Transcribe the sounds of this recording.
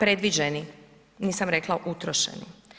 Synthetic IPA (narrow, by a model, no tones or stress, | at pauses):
pɾe̞d̪ʋid͡ʒeni | niːsamɾe̞klaʔut̪ɾoʃḛnḭ